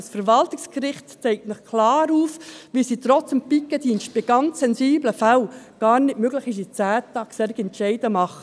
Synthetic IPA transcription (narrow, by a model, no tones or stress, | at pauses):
sfəɾʋɑltɪkskɾɪχtt͡sɛɪk̚tnəχkʰlɑːɾuːfʋisiːtɾɔt͡səmpikːəd̥iːnʃt̚b̥ɪɡ̥ɑnt͡sːɛnsiːbləfælɡ̥ɑːɾnɪtmøɡlɪχɪʃ̬it͡sæːt̪ːɑksɛɾɡɛnʃɛɪd̥əmɑχə